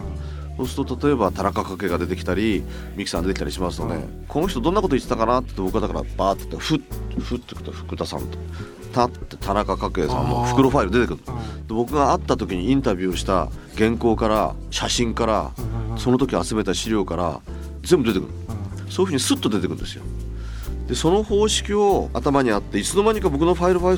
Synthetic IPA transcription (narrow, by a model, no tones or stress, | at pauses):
so̞ːsɨ̥t̪o̞t̪at̪o̞e̞bat̪anakakake̞ːɡad̪e̞t̪ekʲi̥t̪aɾʲi | mʲiki̥sãnd̪etekit̪aɾiɕimasɨno̞d̪e̞̰ | kʰo̞no̞çi̥t̪o̞d̪õnːako̞t̪oit̪e̥t̪akanat̪e̥t̪ːebo̞kɯ̟ɡad̪akaɾa̰b̥aːt̪ːe̥t̪ːɸɯ̟t̪ɸɯ̟t̪ːekt̪oɸɯ̟̥kɯ̟t̪asã̰nt̪o̥ | t̪at̪ːet̪ʰanakakake̞ːsã̰nːo̰ɸɯ̥kɯ̟ɾo̞ɸaiɾɯd̪eekɯd̪̥e̞bo̞kɯ̟ɡaːt̪ːat̪o̞kʲiɲ̟iĩnt̪abʲɨːoɕi̥t̪a̰ | ɡẽ̞ŋko̞ːkaɾa̰ | ɕaɕĩŋkaɾa̰so̞no̞t̪o̞kʲiat͡sɨme̞t̪aɕiɾʲo̞ːkaɾa̰ | ze̞mbɯ̟d̪e̞t̪ekɯɯ̰̃ | so̞ːjɯɸɯɲ̟isɨt̪ːo̞d̪e̞t̪ekɯ̟nd̪e̞sɨjo̞̰ | d̪̥e̞so̞no̞ho̞ːɕi̥kʲio̞a̰t̪amaɲ̟iat̪ːe̞it͡sɨno̞naɲ̟ikabo̞kɯ̟no̞ɸaiɾɯ̟ɸai